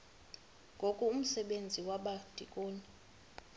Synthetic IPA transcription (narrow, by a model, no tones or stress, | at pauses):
ŋɡʱokʼuum̩sɛɓend͡zʱiwaɓad̥ʱḭkʼoːni